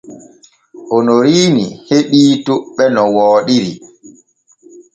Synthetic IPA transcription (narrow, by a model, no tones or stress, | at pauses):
ʔɔnoɾiːnḭheɓiːtuɓɛnɔwɔːɗiɾi